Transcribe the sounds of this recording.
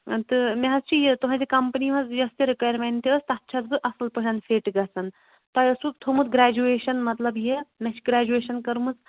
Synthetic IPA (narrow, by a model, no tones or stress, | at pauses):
t̪ɨmeɦɐst͡ʃʰijet̪uɦɐ̃d͡ʒikɐmpniɦɐzjɐst̪eɾikajɾmeɳʈ̪iɐst̪ɐt̪ːt͡ʃʰɐzbɨʔɐsɨlpɨɦanfʰeːʈɡɐsɐn | t̪ɔjɐsukt̪ʰomut̪ɡɾaːd͡ʒueːʃɐnmɐt̪lɐbjemet͡ʃʰiɡɾaːd͡ʒueːʃɐnkɐɾumɨs